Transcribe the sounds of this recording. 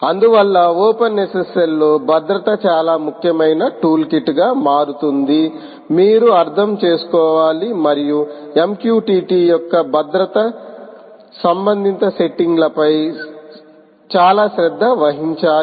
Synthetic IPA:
ɐnd̪uʋɐlːɐɔːpɐnːesɐsɐlːoːbʱɐd̪ɾɐt̪ɐt͡ʃaːlaːmukʰjɐmɐjnɐʈuːlkiʈːɡaːmaːɾut̪und̪i | miːɾuɐɾt̪ʰɐmt͡ʃe̞ːsu̥kɔːʋaːlimɐɾijuemkjuːʈiːʈiːjɔkːɐbʱɐd̪ɾɐt̪ɐ | sɐmbɐnd̪ʱint̪ɐse̞ʈːiŋɡlɐpɐj | t͡ʃaːlaːʃɾɛd̪ʱːɐʋɐɦiɲt͡ʃaː

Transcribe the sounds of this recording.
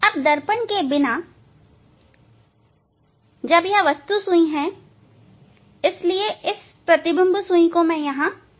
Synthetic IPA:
ɐb̚d̪ɐɾpənkebɪna | d͡ʒɐbjɐɦãʋɐst̪usʊ̃ĩɦɛ̃ | ɪslieʔɪs | pɾɐt̪ɪbə̃mbʱsũĩkõmẽjɐɦã

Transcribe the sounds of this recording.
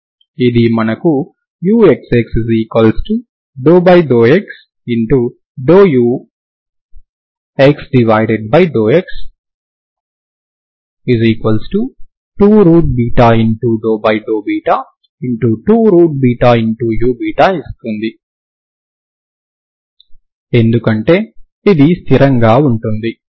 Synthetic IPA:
id̪imɐnɐku | juːekseksiziːkʋɐlsʈu | ɖoːbɐjɖoːeks | iɳʈu | ɖoːjuː | eksɖiʋajɖeɖ̚bɐjɖoːeks | iziːkʋɐlsʈu | ʈuːɾuːʈ̚biːʈaːiɳʈuɖoːbɐjɖoːbiːʈaː | iɳʈuʈuːɾuːʈ̚biːʈaːiɳʈujuːbiːʈaist̪und̪i | e̞nd̪ukɐɳʈe̞ː | id̪ist̪ʰiɾɐŋɡaːuɳʈund̪i

